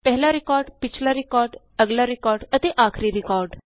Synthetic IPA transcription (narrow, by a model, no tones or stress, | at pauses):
pəɦlaɾikɔːɾɖpit͡ʃʰlaɾikɔːɾɖ | əɡlaɾikɔɾɖət̪eʔakʰɾiːɾikɔɾɖ